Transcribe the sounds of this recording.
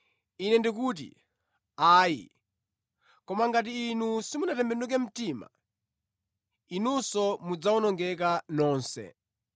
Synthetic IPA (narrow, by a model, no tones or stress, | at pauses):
inɛndik̬uːt̬ḭ | aːjḭ | kɔmaŋɡat̬iːnusimunatɛmbɛnuk̬ɛm̩tima̰ | inusɔmud͡zaɔnɔŋɡɛk̬anɔːnsɛ̰